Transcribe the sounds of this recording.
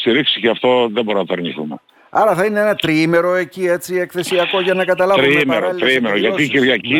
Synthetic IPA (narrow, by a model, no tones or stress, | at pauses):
st̪iɾiksiceɐft̪o̞ðebo̞ɾonɐt̪ɐɾɲiθṵme | ɐɾɐθɐineenɐt̪ɾime̞ɾo̞e̞cie̞t͡sie̞kθe̞siɐko̞ʝɐnɐkɐt̪ɐlɐɾumimeɾot̪ɾimeɾoʝɐiciɾʝɐci